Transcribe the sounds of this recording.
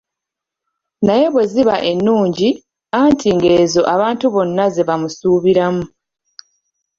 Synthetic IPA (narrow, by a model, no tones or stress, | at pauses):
naje̞βwe̞ziβaʔe̞nːuːɲɟi | antʰiŋɡe̞eːzo̞ʔaβaːntuβo̞nːaze̞βamusuːβiɾamu